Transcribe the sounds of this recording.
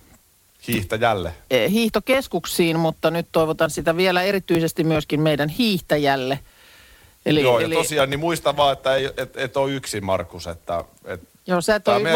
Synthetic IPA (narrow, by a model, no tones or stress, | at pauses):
hiːht̪ɑjælːḛhiːht̪okeskuksiːnmut̪ːɑnyt̪t̪oiʋot̪ɑnsit̪æʋielæerit̪yisest̪immyøskimmeidænhiːht̪ɑjælːe | elijoːjɑlt̪osiɑnːimuist̪ɑʋɑːet̪ːæeiet̪et̪oiyksimɑrkːusḛt̪ːæ̰et̪ | joːset̪ːoe